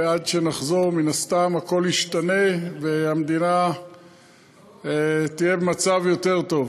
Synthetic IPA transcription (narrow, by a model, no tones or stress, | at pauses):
adʃe̞naχzo̞ʁminast̪amhako̞liʃtane̞vehamd̪ina | t̪ijebemat͡savjo̞t̪e̞ʁt̪o̞v